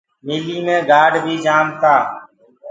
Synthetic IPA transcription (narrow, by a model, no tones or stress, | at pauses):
miːliːmẽːɡaːɖbʱiːd͡ʒaːmt̪aː